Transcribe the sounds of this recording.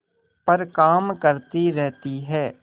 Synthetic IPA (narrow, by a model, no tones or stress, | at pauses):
pəɾkaːmkəɾt̪iɾɛɦt̪iɦɛː